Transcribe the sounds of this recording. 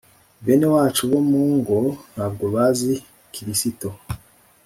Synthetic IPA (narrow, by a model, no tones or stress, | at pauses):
benewaːt͡ʃuβomuːŋɡohabɡoβazi | kʰiɾisito